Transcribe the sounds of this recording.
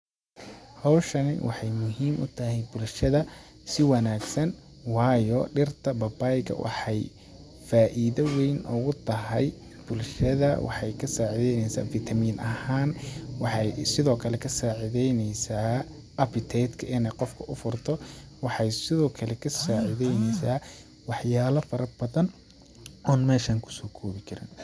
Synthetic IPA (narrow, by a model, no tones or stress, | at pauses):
hɔwʃɐnɪ̰wʔɑ̰ħɑjmʊɦiːmʔʊ̰t̪ʰɐhɛjbʊlʃɐðɐ | sɪwɑnaːɡsɐn | wɑːjɔɖɪrt̪ʰɐbɐbajkʰɐ̰wʔɑ̰ħɑj | faːʔiðɐwɛjnʔɔɣʊt̪ʰɐɦɛj | b̥ʊlʃɐðɐ̰wʔɑ̰ħɑjkʰɐsaːʕɪðɛjnɛjsa̰ːfɪt̪ʰɐmiːnʔɐhaːnwɑħɑjsɪðɔːkʰɐlɛkʰɐsaːʕɪðɛjnɛjsaː | ʔɐpɪt̪ʰɛd̪kʰɐʔɪnɛjqɔfkʰɐʔʊfʊrt̪ʰɔ | wɑħɑjsɪðɔːkʰɐlɛkʰɐsaːʕɪðɛjnɛjsaː | wɑħjaːlɐfɐɾɐbɐðɐn | ɔːnmɛːʃaːŋkʰʊ̥sɔːkʰɔːβɪkʰɐɾɪ̰n